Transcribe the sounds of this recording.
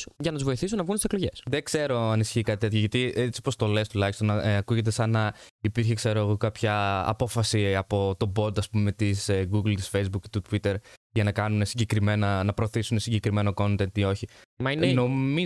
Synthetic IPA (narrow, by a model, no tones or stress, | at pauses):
ʝɐnɐt̪uzvo̞iθisunɐvɣunt̪isekloʝe̞sðe̞kse̞ɾo̞ɐnisi̥çikɐt̪it̪et̪çoʝɐt̪iet͡sipo̞st̪o̞le̞st̪ulɐçist̪o̞nɐkuʝe̞t̪̬e̞sɐnɐ | ipiɾçekse̞ɾo̞ɣokɐpçɐ̰ːpo̞fɐsiɐpo̞t̪o̞bo̞d̪ɐspume̞t̪isɡuɡlt̪i̥sfe̞jzbukit̪ut̪wit̪e̞ɾʝɐnɐkɐnune̞siɲɟe̞kɾime̞nɐnɐpɾo̞ːθisunesiɲɟe̞kɾime̞no̞ko̞nt̪e̞nio̞çimɐineno̞mi